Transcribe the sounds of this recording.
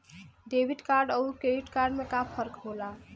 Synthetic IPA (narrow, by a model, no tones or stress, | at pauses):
ɖebiʈkaɾɖəukeiʈkaɾɖmekapʰəɾkɦola